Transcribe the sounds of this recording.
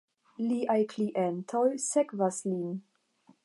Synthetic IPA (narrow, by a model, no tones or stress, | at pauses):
liʔajkliʔentʰojsekvaslin